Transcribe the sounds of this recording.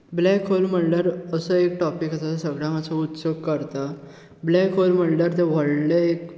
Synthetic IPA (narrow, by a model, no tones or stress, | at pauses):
blɛkʰɦolm̤əɳɖəɾəsəekʈɔpikəsasasəɡɭãŋəsaut̪soɡ̚kəɾt̪a | blɛkʰɦolm̤əɳɖəɾt̪ẽʋəɽleek